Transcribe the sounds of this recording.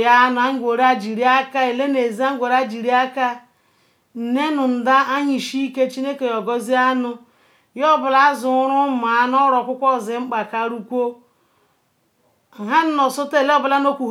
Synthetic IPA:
ja˦nʊ˨a˦ŋ̩˦ɡʷo˨ɾa˦d͡ʒi˨ɾi˦a˦ka˦e˨le˦ne˨zi˦a˦ŋ̩˦ɡʷo˨ɾa˦d͡ʒi˨ɾi˦a˦ka˦ | n̩˨ne˦nʊ˨n̩˨da˦ʔa˦ɲi˨ʃi˦i˦ke˦t͡ʃi˦ne˦ke˨jɔ˨ɡɔ˦zi˦a˦nʊ˦ | jɔ˦˨bʊ˨la˦zʊ˨˦ɾʊ˦ma˨˦n˦ɔ˦ɾɔ˨kʷʊ˦kʷɔ˦˨zɪ˨ŋ͡m̩˦k͡pa˨ka˨ɾu˦kʷo˦˨ | ɦa˦n̩˦nɔ˨sʊ˦te˦˨le˦ɔ˦bla˦n˦o˦kʷu˨

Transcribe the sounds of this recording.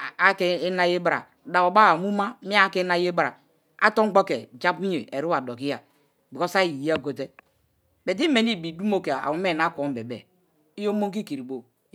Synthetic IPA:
a˦ke˦na˦je˦bɾa̰˨ | da˨o˨ba˦a˨mu˦ma˦mi˦a˦ke˦na˦je˦ba˨ | a˦to˦ŋ̩˦ɡ͡bo˦ke˨d͡ʒa˦pi˦ɲe˨e˨ɾi˦a˨do˨ki˦a˨ | bi˨ko˦sa˦ji˨i˨ja˦˨ɡo˨t̬e˦ | be˨d̬i˦me˨n˦i˦˨bi˨du˦mo˦ke˨a̰˨wu˦m˦e˦˨na˦ko˨˦m˦be˨bḛ˨ | i˦jo˦mo˦ŋk̬i˦ki˨ɾi˨bo˨

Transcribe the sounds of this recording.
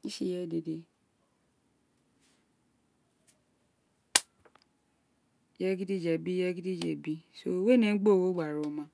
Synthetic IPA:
i˦ʃi˦jɛ˦de˨de˧ | jɛ˦ɡi˦di˦˨d͡ʒɛ˨bi˦jɛ˦ɡi˦di˦d͡ʒɛ̰˨bi˦so̰˧˦we˦nẽ˨˦ɡ͡bo˦˨wo˦ɡ͡ba˨ɾo˨mã˦

